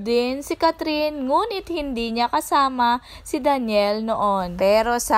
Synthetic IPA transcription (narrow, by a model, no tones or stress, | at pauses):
d̪ɪnsɪkɐt̪ɾinŋuːnɪt̪̚hɪnd̪iːɲɐkɐsaːmɐ | sɪd̪ɐnjɛlnoʔonpɛːɾo̞sɐ